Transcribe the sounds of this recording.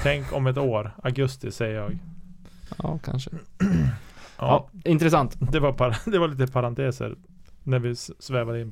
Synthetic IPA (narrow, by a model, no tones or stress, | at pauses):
t̪ʰɛŋkɔmɛt̪̬oːɾaɡɵst̪ɪsɛjəɾjɑːɡ | ɑːkʰa̰nʂə | ʔɑ̰ːɪnt̪ɾɛs̬ant̪d̪ɛvaɾpʰad̪ɛvaɭiːt̪əpʰaɾant̪ʰeːsə̰ɾ | næɾvɪsvɛːvad̪əɪnp